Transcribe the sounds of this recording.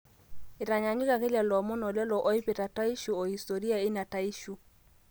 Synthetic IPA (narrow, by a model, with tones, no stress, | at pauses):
ɪ˨ɾa˨ɲa˨ɲu˦ka˨ke˦la˨lɔ˨mɔ˦nɔ˨lɛ˦lɔ˨ʔɔ˦i˦pe˨ta˨ta˦i˦ʃu˨ɔ˨hi˨sto˨ɾi˦a˨ɪ˦na˨ta˦i˦ʃu˦